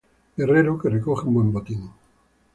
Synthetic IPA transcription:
ɡereɾokerekoχeũmbwembot̪iŋ

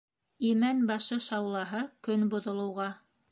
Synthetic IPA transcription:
imænbɑʃɤʃɑwlˠɑɦɤkɵnbŏðŏlˠɤ̆wʁɑ

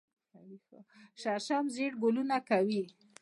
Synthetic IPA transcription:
kawixoʃaɾʃamzeɽɡolunakawi

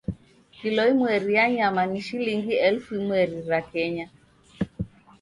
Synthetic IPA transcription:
kilɔimwɛɾijaɲamaniʃiliŋɡiɛlfuimwɛɾiɾakɛɲa

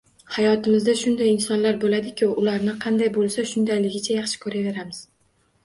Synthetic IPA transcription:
hajɒt̪ɪmɪzd̪aʃʊnd̪ajɪnsɒnlaɾbolad̪ɪkʲʰɪʊlaɾnɪqʰɑnd̪ajbolˠsaʃʊnd̪ajlɪɡʲɪt͡ʃʰajɑχʃɪ̥kʰɵɾave̞ɾamɪz̥

